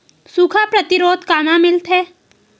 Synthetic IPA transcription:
sukʰapɾɐt̪ɪɾoːd̪kaːnãmɪlt̪ɦɛː

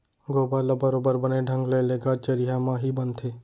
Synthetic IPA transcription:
ɡobaləbəɾobəɾbəneɖʱə̃ŋɡleleɡat͡ʃəɾiɦamãɦibənt̪ʰe

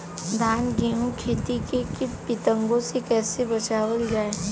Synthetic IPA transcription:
d̪ʱaːnɡeːɦũkʰeːt̪ikekɪpɪt̪ə̃ŋɡõsekɛːsebɐt͡ʃaːwəld͡ʒaːe

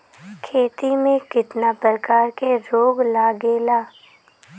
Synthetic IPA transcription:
kʰeːt̪imẽkɪt̪napɾəɾəkaːɾkeɾoːɡlaːɡeːlaː

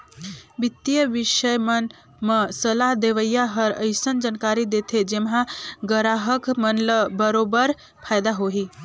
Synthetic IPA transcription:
bit̪ːjəʋiʃəjmən | məsəlaɦd̪eʋəjaɦəɾə̰ɪsənd͡ʒankaɾid̪et̪ʰed͡ʒemɦãɡəɾaɦəkmənləbəɾobəɾ | pʰajd̪aɦoɦi

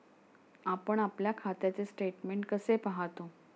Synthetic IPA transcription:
apəɳapljakʰat̪jat͡sesʈeʈmeɳʈkəsepaɦat̪o

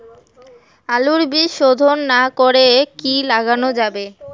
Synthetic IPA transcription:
aluɾbiʃod̪ʱonːakoɾekilaɡanod͡ʑabe

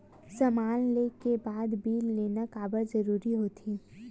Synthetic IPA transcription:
sɐmaːnleːkebaːd̪biːlːeːnakaːbəɾzɐɾuːɾiɦoːt̪ʰi

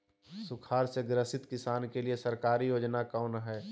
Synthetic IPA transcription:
sʊkʰaːɾseɡɾəsɪt̪kɪsaːnkeliesɐɾkaːɾijoːd͡ʒnakaːnɦɛː

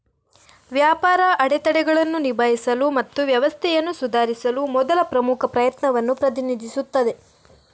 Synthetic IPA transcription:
ʋjaːpaːɾɐʔɐɽɛt̪ɐɽɛɡɐɭɐnːunibʱaːjisɐlumɐt̪ːuʋjɐʋɐst̪ʰɛjɐnːusud̪ʱaːɾisɐlumɔd̪ɐlɐpɾɐmukʰɐpɾɐjɐt̪nɐʋɐnːupɾɐt̪̬inid̪isut̪ːɐd̪e̞

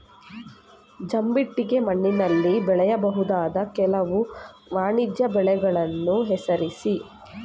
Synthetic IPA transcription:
d͡ʒɐmbiʈːiɡe̞mɐɳːinɐlːibɛɭɛjɐbɐɦud̪aːd̪ɐkɛlɐʋu | ʋaːɳid̪jɐbɛɭɛɡɐɭɐnːuɦɛsɐɾisi

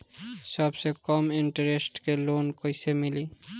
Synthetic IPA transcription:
sɔbsekɔmiɳʈəɾesʈkelonkojsemili

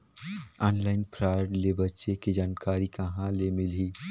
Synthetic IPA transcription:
ɔːnlaːɪnpʰɾaːɪɖlebɐtːʃekid͡ʒaːnkaːɾikɐɦãlemɪliː

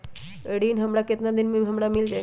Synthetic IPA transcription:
eɽiːnɦəmɽaket̪nad̪inmiɦəmɽamild͡ʒa

